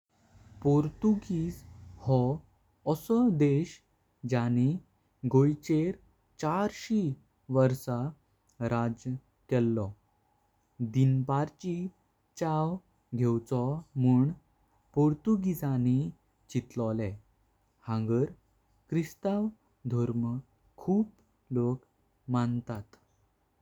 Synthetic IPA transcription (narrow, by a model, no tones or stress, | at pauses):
poɾt̪uɡid͡zhɔ | əsɔd̪eɕ | d͡ʑani | ɡojt͡ɕeɾ | t͡ɕaɾɕi | ʋəɾsa | ɾad͡ʑ | kɛlːɔ | d̪inbaɾt͡ɕi | t͡ɕaw | ɡʱewt͡sɔmuːɳ | poɾt̪uɡid͡zani | t͡ɕit̪lɔlɛ | hãŋɡəɾ | kɾist̪aʋ | d̪ʱɔɾm | kʰuːp | lok | mant̪at̪